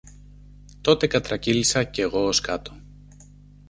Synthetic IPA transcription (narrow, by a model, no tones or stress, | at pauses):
t̪o̞t̪e̞kɐt̪ɾɐcilisɐce̞ɣo̞oskɐt̪o̥